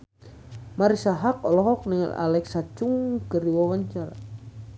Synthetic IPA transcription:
maɾisaɦakɔlɔɦɔk̚nɛŋa̰la̰lɛksat͡ʃuŋkəɾiwawaɲt͡ʃaɾa̰

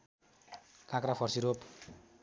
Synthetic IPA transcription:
kãkɾapʰʌɾsiɾop

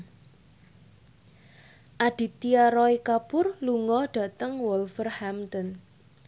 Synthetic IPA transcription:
ʔaɖ̥i̤t̪iaɾɔikapʊrluŋɔɖ̥a̤t̪əŋwɔlfərhamt̪ɔn

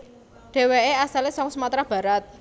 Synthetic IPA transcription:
ɖ̥e̤weeasalesɔŋsəmat̪ɾab̥ä̤ɾat̪̚

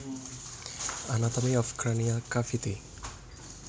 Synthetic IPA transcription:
anat̪ɐmiɔfkɾanijakafit̪i

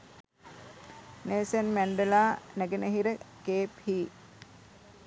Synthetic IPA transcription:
neːsənmæɳɖelaːnæɡenəɦiɾəkeːphiː

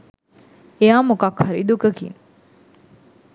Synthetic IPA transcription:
eaːmukakhɐɾid̪ukəkḭn

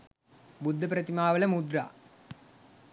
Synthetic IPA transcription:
bud̪ʱːɐpɾɐt̪imaːʋɐlɐmud̪ɾa̰ː

